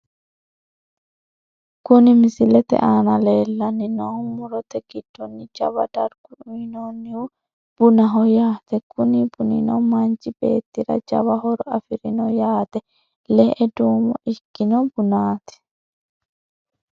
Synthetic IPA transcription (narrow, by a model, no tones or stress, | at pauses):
kʊnɪmɪsɪlɛt̪ɛ̰ʔaːnɐleːlːɐnːɪnɔmʊɾɔt̪ɛɡ̥ɪd̪̥ːɔnːɪd͡ʒɐ̰βɐ̰d̪ɐɾɡ̥ʊᶑʊnɔnːɪwʊ | b̥ʊnɐɦɔjaːt̪ɛkʊnɪbʊnɪ̰nɔ̰wmɐnt͡ʃɪbe̞̰ːt̪ːɪɾɐ̰d͡ʒɐ̰βɐɦɔɾɐfɪɾɪnɔjaːt̪ɛ | lɛɛd̪uːmɔʔɪkːɪnɔbʊnaːt̪ɛ̥